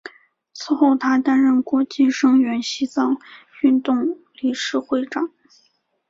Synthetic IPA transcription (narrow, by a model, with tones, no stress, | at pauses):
t͡sʰɹ̩˥˧xo˥˩ʊt̪ʰa˥t̪a˥nɻə˥˩nkwɔ˧˥t͡ɕi˥˩ʂɤ˥ŋɥɛ˧˥nɕi˥t͡sɑ˥˧ŋy˥˧nt̪ʊ˥˧ŋli˧˥ʂɻ̩˥˧xwe˥˩ɪʈ͡ʂɑ˨˩˦ŋ